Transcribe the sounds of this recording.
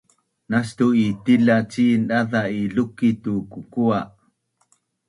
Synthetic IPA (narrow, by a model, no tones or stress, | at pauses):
nastuitilat͡ɕinɗaðaiɮukitukukua